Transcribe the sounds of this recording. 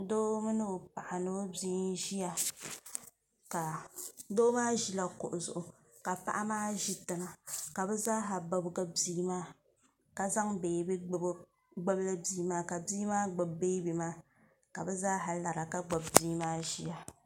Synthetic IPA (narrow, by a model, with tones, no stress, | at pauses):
doː˦mɨ˦nɨ˦˨pa˨ʔa˨no˦biː˦n˦ʒi˦ja˨ | ka˨doː˦maː˦ʒi˦la˨kʊ˨ʔʊ˨zʊ˨ʔʊ˨ | ka˨pa̰˨ʔa˦maː˦ʒi˦tɨ˨ŋa˨ka˨bɛ˦zaː˦ɦa˨ba˨bɡa˦biː˦maː˦ | ka˨za˦ŋbeː˨bi˦ɡ͡bb | ɡ͡ba˦bla˦biː˦maː˦ka˨biː˦maː˦ɡ͡ba˨bbe˦bi˨maː˦ | ka˨bɛ˦zaː˦ɦa˨la˨ɾa˨ka˦ɡ͡ba˨bbiː˦maː˦ʒi˦ja˨